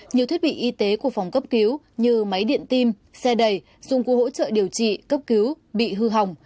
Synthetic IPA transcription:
ɲi˨˩əwt̪ʰi˦˥t̚ɓḭ˧˨ʔi˧t̪e˨˦ku˧˩əfa˨˩wŋ͡mkə˦˥p̚ki˨˦w | ɲɨ˧ma˨˦jɗḭ˧˨ənt̪i˧m | sɛ˧ɗə˨˩j | zʊ̰˧˨ŋ͡mkho̰˧˥t͡ɕə̰ː˧˨ɗi˨˩əwt͡ɕḭ˧˨kə˦˥p̚ki˨˦w | ɓḭ˧˨ɦɨ˧ɦa˨˩wŋ͡m

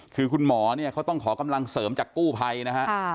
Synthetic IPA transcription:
kʰɯː˧kʰu˧nmɔː˩˦ni˥˩ɐkʰa˦˥wt̪ɔ˥˩ŋkʰɔː˩˦ka˧mla˧ŋsɤː˩˦mt͡ɕaː˨˩kkuː˥˩pʰa˧jna˦˥kʰa˦˥

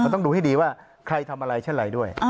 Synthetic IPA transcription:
a˧nt̪ɔ˥˩duː˧ha˥˩jdiː˧waː˥˩ | kʰɾa˧jt̪ʰa˧mʔa˧ɾa˧jt͡ɕʰe˥˩nɾa˧jdu˥˩əj

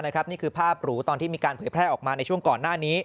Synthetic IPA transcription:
na˦˥kʰɾa˦˥p̚niː˥˩kʰɯː˧˩pʰaː˥˩p̚ɾuː˦˥t̪ɔː˧nt̪ʰiː˥˩miː˧kaː˧npʰɤː˩˦jpʰɾɛː˥˩ʔɔː˨˩k̚maː˧na˧jt͡ɕʰu˥˩əŋkɔː˨˩nːaː˥˩niː˦˥

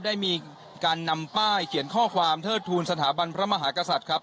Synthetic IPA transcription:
p̚da˥˩jmiː˧ | kaː˧nːa˧mpaː˥˩jkʰi˨˩˦nkʰɔː˥˩kʰwaː˧mt̪ʰɤː˥˩t̪ʰːuː˧nsa˧t̪ʰaː˩˦ba˧npʰɾa˦˥ma˧ɦaː˩˦ka˧sa˨˩t̪̚kʰɾa˦˥p̚

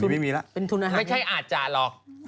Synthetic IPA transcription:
ma˥˩jmiː˧la˦˥ʔpe˧nt̪ʰu˧nʔaː˧mːa˥˩jt͡ɕʰa˥˩jʔaː˨˩t̪̚t͡ɕa˨lɔː˨˧˩k̚

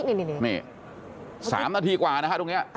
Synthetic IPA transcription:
ni˧ni˧n˧˩ni˧˩ | sa̰ː˧˩˦mnaː˧t̪ʰiː˧kwaː˨˩na˦˥kʰa˥˩t̪o˧ŋi˦˥ɐ˧ʔ

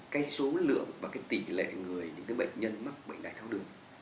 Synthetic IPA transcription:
kaː˨˦jso˨˦lɨ̰˧˨əŋvaː˨˩kaː˨˦jt̪i˧˩lḛ˧˨ŋɨ˨˩əjɲɨ̰˧ŋkaː˨˦ɓə̰˧˨ŋ̟ɲə˧nma˦˥k̚ɓə̰˧˨ŋ̟ɗaː˨˩jt̪ʰa˧wɗɨ˨˩əŋ

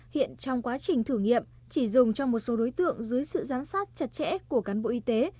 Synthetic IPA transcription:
hḭ˧˨ənt͡ɕɔ˧wŋ͡mkwaː˨˦t͡ɕï˨˩ŋ̟t̪ʰɨ˧˩ŋḭ˧˨əm | t͡ɕi˧˩zʊ˨˩ŋ͡mt͡ɕɔ˧wŋ͡mmo˨˩t̚so˨˦ɗo˨˦jt̪ɨ̰˧˨əŋzɨ˨˦əjsɨ̰˧˨zaː˨˦msaː˦˥t̚t͡ɕə˧˩t̚t͡ɕɛ̰˧˥ku˧˩əkaː˨˦nɓo̰˧˨ʔi˧t̪e˨˦

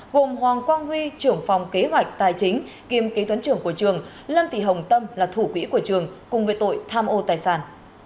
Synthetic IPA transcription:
ɣo˨˩mɦwaː˨˩ŋkwaː˧nhwi˧t͡ɕɨ˧˩əŋfa˨˩wŋ͡mke˨˦ɦwa˨˩jk̟̚t̪aː˨˩jt͡ɕï˨˦ŋ̟ | ki˨˩əmke˨˦t̪wə˨˦nt͡ɕɨ˧˩əŋku˧˩ət͡ɕɨ˨˩əŋ | lə˧mt̪ḭ˧˨˩ɦə˨˩wŋ͡mt̪ə˧mlaː˨˩t̪ʰu˧˩kwḭ˧˥ku˧˩ət͡ɕɨ˨˩əŋkʊ˨˩ŋ͡mvḛ˧˦t̪o̰˧˨jt̪ʰaː˧mʔo˧t̪aː˨˩jsaː˧˩n

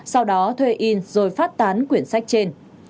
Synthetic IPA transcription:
sa˧wɗɔ˨˦t̪ʰwe˧ʔi˧nzo˨˩jfaː˦˥t̚t̪aː˨˦nkwi˧˩ənsa˦˥jk̚t͡ɕe˧n

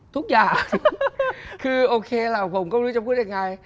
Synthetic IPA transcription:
t̪ʰʊ˦˥k̚zaː˨˩˧ | kɨ˧ʔo˧kʰe˧laː˨˩və˨˩wŋ͡mkə˧˦ŋ͡mlɨ˧˦t͡ɕɔ˧ŋ͡mku˦ɗe˨˩ŋa˨˩j

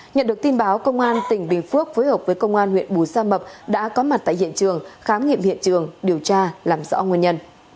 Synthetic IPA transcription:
ɲə̰˧˨nɗɨ˨˩ək̚t̪i˧nɓaː˨˦wkə˧wŋ͡mʔaː˧nt̪ï˧˩ŋ̟ɓï˨˩ŋ̟fu˦˥ək̚foː˨˦jhəː˨˩p̚vəː˨˦jkə˧wŋ͡mʔaː˧nhwḭ˧˨ənɓu˨˩saː˧mə˨˩p̚ɗa̰ː˧˥kɔ˨˦ma˨˩t̚t̪a̰ː˧˨hḭ˧˨ənt͡ɕɨ˨˩əŋxaː˨˦mŋḭ˧˨mhḭ˧˨ənt͡ɕɨ˨˩əŋɗi˨˩əwt͡ɕaː˧laː˨˩mzɔ̰˧˥ŋwi˧˩ənɲə˧n

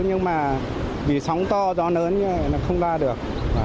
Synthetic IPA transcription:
ɲɨ˧ŋmaː˨˩ | vi˧˩sa˨˦wŋ͡mt̪ɔ˧zɔ˨˦nəː˨˦nɲɨ˧˦və˧˨jnɔ˨˦xə˧wŋ͡mzaː˧ɗɨ˨˩ək̚ː

